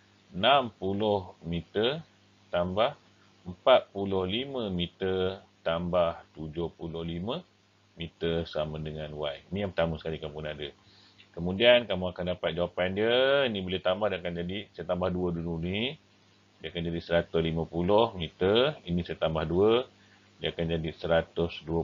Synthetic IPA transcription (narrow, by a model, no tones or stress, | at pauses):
nampulʊhmit̪ər | t̪ambah | əmpat̪̚pulʊhlimə̃mit̪ərt̪ambaht̪ud͡ʒohpulʊhlimə̃ | mit̪ərsamə̃dəŋanwajnĩjapət̪amũsə̥kalikamupunadə | kəmudiankamũakandapat̪̚d͡ʒawapandiəinĩbolɪht̪ambahdəakand͡ʒadisajat̪ambahduədununi | diəakand͡ʒadisəɾat̪ʊslimə̃pulʊhmit̪ərinisajat̪ambahduə | diəakand͡ʒadisəɾat̪ʊsduə